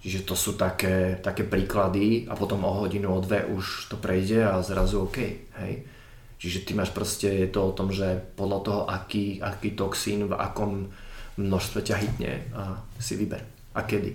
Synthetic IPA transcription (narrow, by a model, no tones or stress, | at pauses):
t͡ʃiʒɛt̪ɔsuːt̪akɛːt̪akɛːpɾiːklad̪ia̰pɔt̪ɔmɔɦɔɟinuɔd̪ʋɛʔuʃt̪ɔpɾʔɛjɟɛazɾazuɔkɛjhɛ̰j | t͡ʃiʒɛt̪imaːʃpɾɔscɛjɛt̪ɔɔt̪ɔmʒɛpɔd̪lat̪ɔɦɔʔakiːakiːt̪ɔksiːnva̰kɔmːnɔʃst̪ʋɛcaɦit̪ɲɛ̰asḭʋibɛ̰ɾ | ʔakɛd̪ḭ